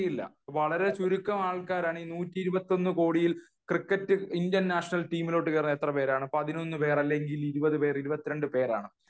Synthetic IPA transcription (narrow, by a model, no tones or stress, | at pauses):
ilːɐ̰ | ʋɐɭɐɾe̞t͡ɕuɾukːɐmaːɭkaːɾaːɳɨinuːtːiiɾubɐt̪ːo̞nːɨko̞ːɽijil | krikːɐtːɨindjɐnnaːʂɐnɐlʈiːmilo̞ːʈːɨkɐrnːet̪rɐpe̞ːɾaːɳɨpɐðino̞nːɨpe̞ːrɐlːeŋɡiliɾubɐðɨpe̞ːriɾubɐt̪ːiɾe̞ɳɖɨpe̞ːɾa̰ːɳɨ